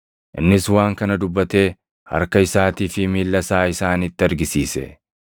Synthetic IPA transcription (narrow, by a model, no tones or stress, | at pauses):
ʔɪnːɪswaːŋkɐnɐd̪ʊbːɐt̪e̞ː | hɐ̰ɾkɐɪsaːt̪iːfɪmiːlːɐsaːɪsaːnɪt̪ːɪɐɾɡɪsiːsɛ̰